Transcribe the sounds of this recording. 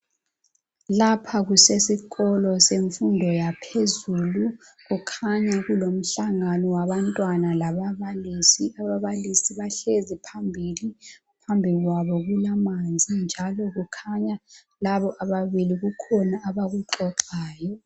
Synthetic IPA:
lapʰaɣusesiɣɔlɔseɱfundʱɔjapʰezulu | ɣukʰaɲaɣulom̩ɬaŋanɔwaβantʼwanalaβaβalisiaβaβalisiβaɬezipʰambʱili | pʰambʱiliɣwaβɔɣulamand͡zʱind͡ʒʱalɔɣukʰaɲa | laβɔʔaβaβiliɣukʰɔnaːβaɣuǃɔǃaːjɔ

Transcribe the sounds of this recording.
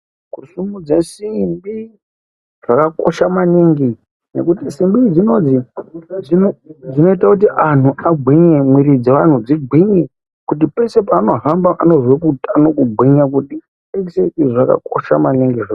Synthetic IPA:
kusumud͡zesimbi | ʐ̥akako̞̰ʃamaniŋɡi | ne̞̰kutisimbid͡zino̞d͡zi | id͡zino̞itakut̬iʔan̤uaɡʱwiɲemwiɾid͡zeʋan̤ud͡ziɡʱwiɲi | kut̬ipe̞se̞paːno̞ɦambaʔano̞ʐwekutanokuɡʱwiɲak̬uti | ekisetiʐaka̰ko̞ʃamaniŋɡiʐa

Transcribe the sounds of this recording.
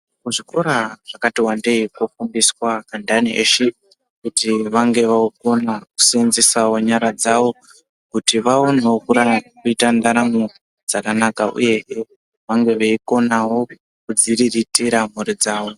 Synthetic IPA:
kuʐiko̞ɾaʐ̥akatiwande̞ikofumbiswakandaniʔḛʃe | kutiʋaŋɡe̞ʋauko̞naku̥senzesawoɲaɾad͡zawo̞ | kutiʋaonewokuɾakuitandaɾamo | d͡zakanakaʔṵje̞ɦe | ʋaŋɡe̞ʋeiko̞nawo̞ | kud͡ziriritiɾam̤uɾid͡zaːwo̞

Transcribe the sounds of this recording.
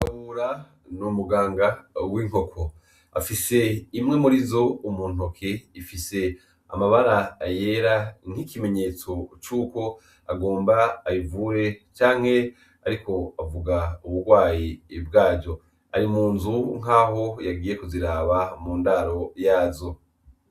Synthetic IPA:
aβuɾa | numuɡaːŋɡawiŋ̥o̞kʰo | afise̞imŋe̞muɾizo̞umuːn̥okʰeifise̞ | a̰maβaɾaːjeːɾan̥ikime̞ɲe̞ːt͡so̞t͡ʃuːko̞ | aɡo̞ːmbaːjivuːɾe̞t͡ʃaːŋ̥he̞ | aɾiko̞avuɡauβuɾɡwaːjiːbɡaːɟɟo̞ | a̰ɾimuːnzuŋ̥aːho̞jaɡiːje̞kuziɾaːβamuːndaɾo̞jaːzo̞

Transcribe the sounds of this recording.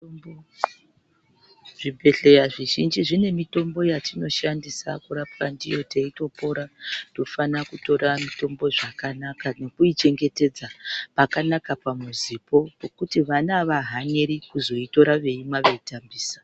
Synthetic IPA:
o | ʐibʱe̞ɬe̞jaʐiʒind͡ʒiʐine̞mito̞mbo̞jatino̞ʃandisa̰kuɾapkandijo̞teito̞po̞ɾato̞fanakuto̞ɾamito̞mbo̞ʐakanakane̞kuit͡ʃe̞ŋɡe̞te̞d͡zapakanakapamuzipo̞kokutiʋanaʋaɦaɲeɾikuzo̞ito̞ɾaʋe̞imaʋe̞itambiːsḁ

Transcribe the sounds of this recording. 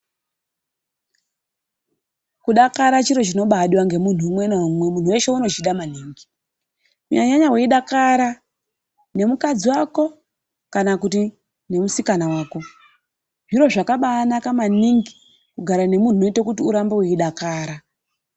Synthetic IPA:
kuɗakaɾat͡ʃiɾo̞t͡ʃino̞ɓaɗiwaŋɡe̞mun̤uːmwenamwemun̤uwe̞ʃeuno̞t͡ʃiɗamaniːŋɡi | ṵɲa̰ɲaɲawe̞iɗakaɾa | ne̞mukad͡ziwako̞ | kanakuti | ne̞musikanawaːko̞ | ʐiɾo̞ʐakaɓaːnakamaniŋɡi | kuɡʱaɾane̞mun̤uno̞itakutiuɾambeweiɗakaːɾa

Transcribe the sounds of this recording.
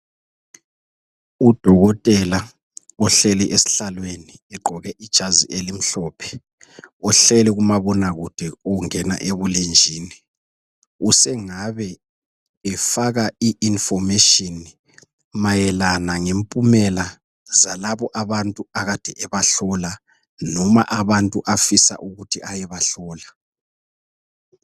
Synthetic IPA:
ud̥ʱɔɣɔtʼɛla | ɔɬɛlɛʔesi̥ɬalweniɛɡ͡ǃʱɔɣɛʔid̥ʒ̥ʱaziʔelim̩ɬɔːpʰɛ̥ | ɔɬɛlɛɣumaβɔnaɣud̥ʱɛoŋɛna̰ʔeβulend͡ʒʱiːni | usɛŋaβɛː | faɣaiʔinfɔmɛʃɔn | majɛlanaŋempʼumɛla | zalaβɔʔaβantʼuaɣad̥ʱɛʔɛβaɬɔla | nɔma̰ʔaβantʼuʔafisa̰ʔuɣutʰiʔajɛβaɬɔːla

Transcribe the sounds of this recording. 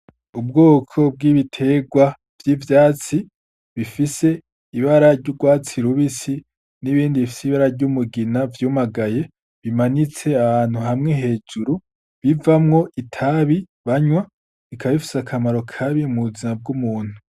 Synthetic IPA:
ub̚ɡo̞ːkʰo̞b̚ɡiːβitʰe̞ɡwa | v̥jiːvjaːt͡si | βifise̞ | iβaɾaɾɟuɡwaːt͡siɾuβisi | niβiːndiifi̥siβaɾaɾɟumuɡinavjumaɡaje̞ | βimanit͡se̞aβaːn̥huɦamŋeɦe̞ːd͡ʒuɾu | βivamŋo̞ʔitʰaβi | βaɲwa | βikaβaβifi̥sakʰamaɾo̞kʰaβimuzinab̚ɡumuːn̥hu

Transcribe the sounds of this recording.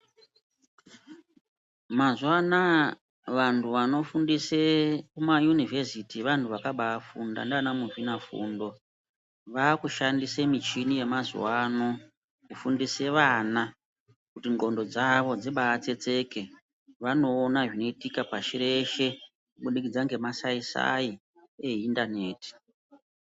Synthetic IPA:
mazwana | ʋantʰuʋano̞fundisekumajunivʱesitiʋantʰuʋakaɓaːfunda̰ndeʋanamuʐinafṵːndo̞ | ʋaːkuʃandisemit͡ʃinije̞mazwano̞ | kufundise̞ʋana | kutiŋɡo̞ndo̞d͡zaʋo̞d͡zeɓaːt͡se̞t͡se̞ke̞ | ʋano̞ːnaʐino̞itikapaʃiɾe̞ʃe̞ | kuɓuɗikid͡zaŋɡe̞masaisa̰i | eindane̞ːti̥

